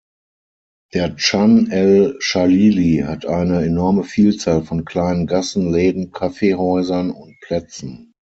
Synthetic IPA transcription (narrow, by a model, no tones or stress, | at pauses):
d̥eːɐt͡ʃanɛlʃaliːlihatʰʔaɪnəenɔɐməfiːlt͡saːlfɔnkl̥aɪnənɡasn̩lɛːdn̩kʰafeːhɔʏzɐnʊnt̚pʰl̥ɛt͡sn̩